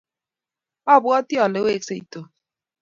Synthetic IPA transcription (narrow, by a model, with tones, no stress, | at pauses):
ɔ˦˨bʊ˦ɔ˦ti˦ɔ˨le˨˦we˦kse˨i˨to˨